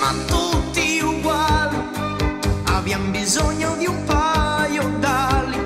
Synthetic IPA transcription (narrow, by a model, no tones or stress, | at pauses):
ma̰nt̪ut̪ːiuɡwali | abiambizoɲːod̪iumpajod̪alːi